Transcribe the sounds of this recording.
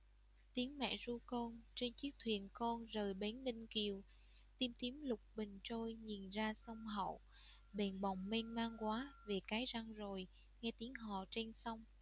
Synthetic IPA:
t̪i˨˦əŋmɛ̰˧˨zu˧kɔ˧nt͡ɕe˧nt͡ɕɨ˦˥k̚t̪ʰwḭ˨˩ənkɔ˧nzəː˨˩jɓe˨˦nlï˧ŋ̟ki˨˩əw | t̪i˧mt̪i˨˦əmlʊ˨˩k͡p̚ɓï˨˩ŋ̟t͡ɕo˧jɲi˨˩nzaː˧sə˧wŋ͡mɦə̰˧˨w | ɓe˨˩nɓa˨˩wŋ͡mme˧nmaː˧ŋkwaː˨˦ve˨˩kaː˨˦jza˧ŋzo˨˩j | ŋɛ˧t̪i˨˦əŋɦɔ̰˧˨t͡ɕe˧nsa˧wŋ͡m

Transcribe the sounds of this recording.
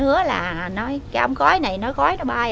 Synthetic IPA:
hɨ˨˦əla̰ː˨˩nɔ˨˦jkaː˨˧˦ʔə˧wŋ͡mxɔ˨˦jna˨˩jnɔ˨˦jxɔ˨˦jnɔ˨˦ɓaː˧

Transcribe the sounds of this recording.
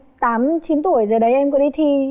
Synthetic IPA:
t̪aː˨˦mt͡ɕi˨˦nt̪u˧˩˨əjzəː˨˩ɗə˨˦jʔɛ˧mkɔ˨˦i˧t̪ʰi˧

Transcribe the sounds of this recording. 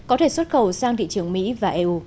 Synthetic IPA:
kɔ˨˦t̪ʰe˧˩swə˦˥t̚xə˨˩wsaː˧ŋt̪ʰḭ˧˨t͡ɕɨ˨˧˩əŋmḭ˧˥vaː˨˩ʔe˧ʔu˧

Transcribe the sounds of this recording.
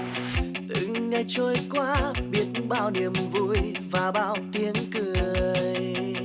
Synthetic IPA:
ʔ̪ɨ˧˨ŋŋa˧t͡ɕo˧jkwaː˧˦ɓi˦˥ət̚ɓa̰ː˧˨wni˨˩əmvṵ˧˥j | vaː˨˩ɓa̰ː˧˨wt̪i˧ənkɨ˨˩əəj

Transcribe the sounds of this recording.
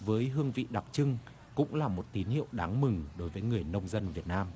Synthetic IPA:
vəː˨˦jɦɨ˧əŋvḭ˧˨ɗa˨˩k͡p̚t͡ɕɨ˧ŋ | kʊ̰˧˥ŋ͡mlaː˨˩mo˨˩t̚t̪i˨˦nhḭ˧˨əwɗaː˨˦ŋmɨ˨˩ŋɗo˨˦jvəː˨˦jŋɨ˨˩əjnə˧wŋ͡mzə˧nvi˨˩ət̚naː˧m

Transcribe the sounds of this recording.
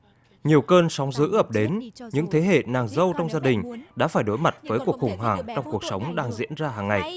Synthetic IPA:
ɲi˨˩əwkəː˧nsɔ˨˦wŋ͡mzɨ̰˧˥ʔəː˨˩p̚ɗe˨˦nɲɨ̰˧˥ŋt̪ʰe˨˦ɦḛ˧˨naː˨˩ŋzə˧wt͡ɕɔ˧wŋ͡mzaː˧ɗï˨˩ŋ̟ɗa̰ː˧˥faː˧˩jɗo˨˦jma˨˩t̚vəː˨˦jku˨˩ək̚xʊ˨˧˩ŋ͡mɦwaː˧˩ŋt͡ɕɔ˧wŋ͡mku˨˩ək̚sə˨˦wŋ͡mɗaː˧ŋzḭ˧˥ənzaː˧ɦaː˨˩ŋːa˨˩j

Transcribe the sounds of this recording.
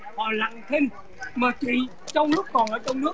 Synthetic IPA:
hɔ̰˧˨la̰˧˨ŋt̪ʰi˧ŋ | maː˨˩t͡ɕwḭ˧˨ | t͡ɕɔ˧wŋ͡mnɨ˦˥ək̚kɔ˨˩nʔəː˧˩t͡ɕɔ˧wŋ͡mnɨ˦˥ə

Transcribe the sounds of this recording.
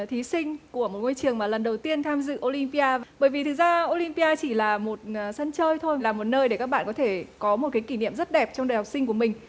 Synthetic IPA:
t̪ʰi˨˦sï˧ŋ̟ku˧˩əmo˨˩t̚ŋo˧jt͡ɕɨ˨˩əŋmaː˨˩lə˨˩nɗə˨˩wt̪i˧ənt̪ʰaː˧mzɨ̰˧˨ʔo˧li˧mpi˧ʔaː˧vɓəː˧˩jvi˨˩t̪ʰɨ˨˩zaː˧ʔo˧li˧mpi˧aː˧t͡ɕi˧˩laː˨˩mo˨˩t̚ːsə˧nt͡ɕəː˧jt̪ʰo˧jlaː˨˩mo˨˩t̚nəː˧jɗe˧˩kaː˦˥k̚ɓa̰ː˧˨kɔ˨˦t̪ʰe˧˩kɔ˨˦mo˨˩t̚kaː˨˦ki˧˩nḭ˧˨əmzə˦˥t̚ɗɛ˨˩p̚t͡ɕɔ˧wŋ͡mɗəː˨˩jɦa˨˩wk͡p̚sï˧ŋ̟ku˧˩əmï˨˩ŋ̟

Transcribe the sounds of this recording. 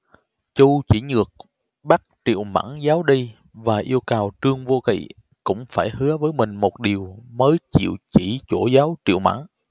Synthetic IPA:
t͡ɕu˧t͡ɕi˧˩ɲɨ˨˩ək̚ | ɓa˦˥t̚tḭ˧˨əwma̰˧˥ŋzaː˨˦wɗi˧ | vaː˨˩ʔi˧əwkaː˨˩wtɨ˧əŋvo˧kḭ˧˨ | kʊ̰˧˥ŋ͡mfaː˧˩jhɨ˨˦əvəː˨˦jmï˨˩ŋ̟mo˨˩t̚ɗi˨˩əwməː˨˦jt͡ɕḭ˧˨əwt͡ɕi˧˩t͡ɕo˧˩zaː˨˦wtḭ˧˨əwma̰˧˥ŋ

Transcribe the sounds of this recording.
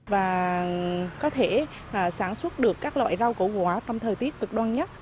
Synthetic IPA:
vaː˨˩ | kɔ˨˦t̪ʰeː˧˩˨ | saː˧˩nswə˦˥t̚ɗɨ˨˩əkːaː˦˥k̚lwa̰ː˧˨jza˧wko̰˧˩kwaː˧˩˦t͡ɕɔ˧wŋ͡mt̪ʰəː˨˩jt̪i˦˥ət̚kɨ˨˩k̚ɗwaː˧nɲə˦˥t̚

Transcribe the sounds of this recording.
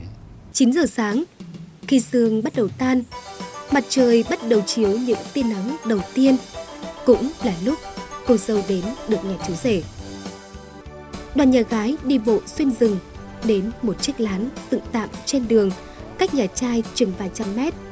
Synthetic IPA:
t͡ɕi˨˦nzəː˨˩saː˨˦ŋki˨˩sɨ˨˩əŋɓə˦˥t̚ɗə˨˩wt̪aː˧nma˨˩t̚t͡ɕəː˨˩jɓə˦˥t̚ɗə˨˩wt͡ɕi˨˦əwɲɨ̰˧˥ŋt̪i˧ənːa˨˦mɗə˨˩wt̪i˧ənkʊ̰˧˥ŋ͡mlaː˨˩lu˦˥k͡p̚ko˨˩z̥ə˨˩wɗe˨˦nɗɨ˨˩ək̚ɲaː˨˩t͡ɕu˨˦ze˧˩ | ɗwaː˨˩nɲaː˨˩ɣaː˨˦jɗi˧˩ɓo̰˧˨swi˧nzɨ˨˩ŋ | ɗe˨˦nmo˨˩t̚t͡ɕi˦˥ək̚laː˨˦nzɨ̰˧˨ŋt̪a̰ː˧˨mt͡ɕe˧nɗɨ˨˩əŋ | kaː˦˥k̚ɲaː˨˩t͡ɕaː˧jt͡ɕɨ˨˩ŋvaː˧˩jt͡ɕa˧mːɛ˦˥t̚

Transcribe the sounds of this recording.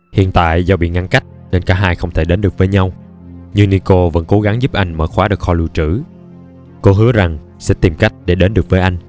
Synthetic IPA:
hḭ˧˨ənt̪a̰ː˧˨jzɔ˧ɓḭ˧˨ŋa˧ŋka˦˥jk̟̚ne˧nkaː˨˥ɦaː˧jxə˧wŋ͡mt̪ʰe˧˩ɗe˨˦nɗɨ˨˩ək̚vəː˨˦jɲa˧w | ɲɨ˧ŋni˧ko˧və̰˧˥nko˨˦ɣa˨˦ŋzu˦˥p̚ʔa˧jŋ̟məː˧˩xwaː˨˦ɗɨ˨˩ək̚xɔ˧˩lu˧˩t͡ɕɨ̰˧˩ | ko˧ɦɨ˨˦əza˨˩ŋ | sɛ̰˧˥t̪i˨˩mka˦˥jk̟̚ɗe˧˩ɗe˨˦nɗɨ˨˩ək̚vəː˨˦jʔa˧jŋ̟

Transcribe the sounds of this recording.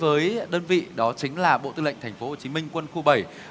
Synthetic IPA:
vəː˨˦jɗəː˧nvḭ˧˨ɗɔ˨˦t͡ɕï˨˦ŋ̟laː˨˩ɓo̰˧˨t̪ɨ̰˧lə̰˧˨jŋt̪ʰŋ̟fo˨˦ho˨˩t͡ɕi˨˦mï˧ŋ̟kwə˧nxu˧ɓə˨˧˩j

